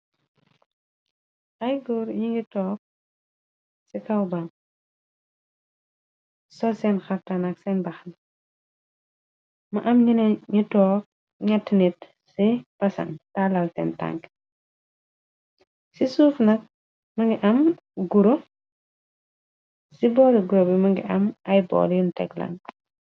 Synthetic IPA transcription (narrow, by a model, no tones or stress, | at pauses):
ʔɐjɡuɾjiŋɡitɔːk̚ | sikɐwbam | sɔsɛnxɐftanɐksɛnbɐxn | mɐʔɐmɲinɲitɔːk̚ | ɲatːinit | sipɐsɐ̰ntalɐlsɛ̰nta̰ŋk | sisuːfnɐk̚ | mɐŋɡiʔɐm | ɡuɾo | sibɔːliɡuɾobimɐŋɡḭʔɐmɐjbɔ̰ːljuntɛɡlɐ̰ŋ